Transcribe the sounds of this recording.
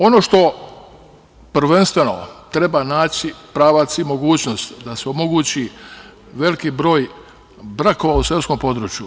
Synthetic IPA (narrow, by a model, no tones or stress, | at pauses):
o̞no̞ʃt̪o̞ | pɾ̩ʋe̞nst̪ʋe̞no̞̰t̪ɾe̞banaːt͡ɕipɾaːʋat̪simo̞ɡuːt͡ɕno̞st̪d̪aseomo̞ɡuːt͡ɕi | ʋe̞likiːbɾo̞ːj | bɾako̞ʋausesko̞mpo̞d̪ɾut͡ʃju